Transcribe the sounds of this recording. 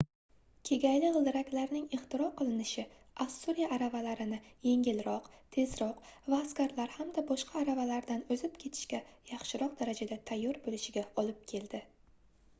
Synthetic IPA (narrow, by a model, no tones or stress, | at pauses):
kʲʰe̞ɡʲajlɪʁɨlˠd̪ɪɾakʲlaɾnɪŋeχt̪ʰɪɾɒqʰɨlˠɪnɪʃɪ | ʔast̪uɾijaʔːɾavalaɾɪnɪje̞ŋʲɪlɾɒqt̪ʰe̞zɾɒqvaːskʲaɾlaɾhamd̪abɒʃqʰaːɾavalaɾd̪anɵzɪp̚kʲʰe̞t̪ʰɪ̥ʃkʲajɑχʃɪɾɒq̚d̪aɾad͡ʒad̪at̪ʰajːɒɾbolɪʃɪɡʲaɒlɪp̚kʲʰe̞ld̪ɪ